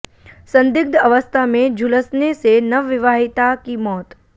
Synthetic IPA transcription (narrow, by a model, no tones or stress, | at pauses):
sɐ̃nd̪ɪɡ̚d̪ɐʋəst̪ʰamẽd͡ʒʱʊləsnesenɐʋɪʋaːɦɪt̪akimɔːt̪